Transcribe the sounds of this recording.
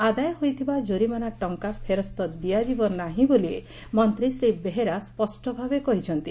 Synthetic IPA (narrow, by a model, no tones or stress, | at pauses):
ad̪ajɔɦojt̪ʰibad͡ʒoɾimanaʈɔŋkapʰeɾɔst̪ɔd̪ijad͡ʒibɔnːaɦĩbolie | mɔnt̪ɾisɾibeɦeɾaspɔsʈɔbʱabekɔɦit͡ʃʰɔnt̪i